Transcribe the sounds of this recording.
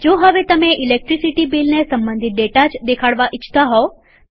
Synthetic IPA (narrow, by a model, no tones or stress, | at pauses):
d͡ʒoːɦəʋet̪ɐmẽʔilek̚ʈɾisiʈibiːlnesɐ̃mbə̃nd̪ʱɪt̪̚ɖeːʈat͡ʃd̪ekʰaɽʋaʔɪt͡ʃʰt̪aɦɔo